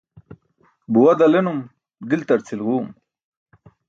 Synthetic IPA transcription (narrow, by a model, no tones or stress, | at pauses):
buwɐd̪ɐlenum | d̪ilt̪ɐɾt͡sʰilɣuːm